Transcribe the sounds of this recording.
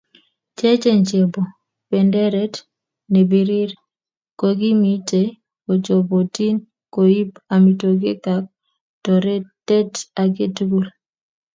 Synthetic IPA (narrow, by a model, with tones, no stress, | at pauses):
t͡ʃe˦t͡ʃe˦ɲt͡ʃe˨bo˨ | pe˨ndɛ˦ɾɛ˦t | ne˨bi˨˦ɾɪ˦ɾ | ko˨ɡi˦mi˦t͡ʃe˨ | ko˨t͡ʃo˨bo˨ti˦n | ko˨i˦ba˨mi˨to˨ɡe˦ka˨k̚ | to˨ɾe˦tɛ˦ta˨ɡe˦tu˦ɡu˦l